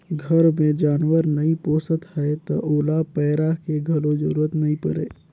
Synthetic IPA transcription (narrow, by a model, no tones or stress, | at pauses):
ɡʱəɾmẽd͡ʒaːnwəɾnəĩpõːsət̪hɛet̪ɔʔoːlapɛːɾakeɡʱəlod͡ʒəɾuːɾət̪nəĩpəɾḛː